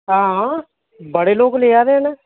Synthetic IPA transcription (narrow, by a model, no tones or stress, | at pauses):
ɦãːɦã | bəɽeːloːɡleːaːɾeɦnɛː